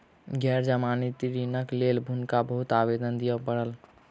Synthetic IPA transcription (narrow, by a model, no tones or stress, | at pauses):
ɡʱɛɾd͡ʒəmanit̪iɾinəklelbʱunkabəɦut̪abed̪ənd̪ijəpəɽəl